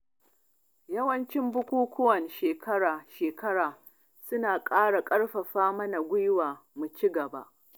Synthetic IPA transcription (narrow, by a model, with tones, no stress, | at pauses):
jɐ˦wɐ˦nt͡ʃɪ˦mbʊ˦kʷuː˦kʷʊ˦wɐ˨nʃeː˨kʰɐ˦ɽaː˨ʃeː˨kɐ˦ɽaː˨ | sʊ˦naː˨kʼaː˦ɽa˨kʼɐ˦ɽɸɐ˨ɸaː˦mɐ˦na˨ɡʷʊ˦jwaː˨mu˨t͡ʃi˦ɡɐ˨ba̰˦ʔ